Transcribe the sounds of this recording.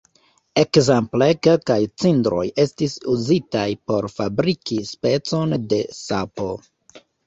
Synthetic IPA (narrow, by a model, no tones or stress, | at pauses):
e̞kzemplekelkajt͡sindɾo̞̰je̞stisuzitajpo̞ɾfabɾikispe̞t͡so̞nde̞sapo̞